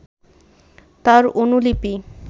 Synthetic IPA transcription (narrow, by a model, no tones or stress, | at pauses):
t̪aɾonulipi